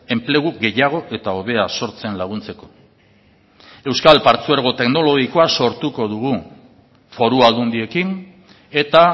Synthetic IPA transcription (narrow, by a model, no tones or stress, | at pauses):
e̞mple̞ɣuɣe̞jaɣ̞o̞ʔe̞t̪ao̞βe̞aso̞ɾt͡se̞nlaɣ̞unt͡se̞ko̞̥ | e̞wskalpaɾt͡sueɾɣ̞o̞t̪e̞kno̞lo̞ɣikoaso̞ɾt̪uko̞ðuɣu | fo̞ɾuald̪und̪ie̞kin | e̞t̪a